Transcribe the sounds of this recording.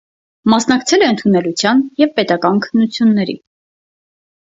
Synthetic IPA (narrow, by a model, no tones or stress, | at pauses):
mɑsnɑkt͡sʰɛlɛənt̪ʰunɛlut͡sʰjɑnjɛvpɛt̪ɑkɑnkʰə̥nːut͡sʰjunːɛɾḭ